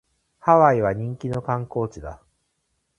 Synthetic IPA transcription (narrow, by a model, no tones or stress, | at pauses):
haβaiβaɲ̟ĩŋkʲino̞kãŋko̞ːt͡ɕid̪a